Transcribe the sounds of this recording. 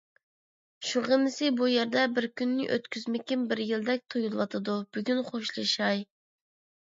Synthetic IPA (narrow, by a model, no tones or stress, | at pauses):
ʃuɾʁəmɪsɪbujɛɾd̪ɛbɪɾkʲynːɪ̰ʔø̰t̪kʲyzmɪkʲimbɪɾjilˠd̪ɛk̚ʲt̪ʰojulˠwɑt̪ʰɨd̪ub̥yɡʲynχoʃlˠɨʃɑj